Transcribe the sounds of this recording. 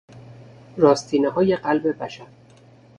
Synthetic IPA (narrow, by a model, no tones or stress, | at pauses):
ɾɒːst̪ʰiːneɦɒːje̞ɢælbe̞bæʃæɾ